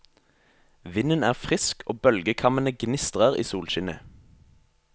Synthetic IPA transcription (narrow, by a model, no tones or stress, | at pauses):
ʋɪnənæːʁfʁɪskʰoːbœlɡəkʰɑmənəɡnɪst̪ʁəʁḭːsuːlʃɪnə̰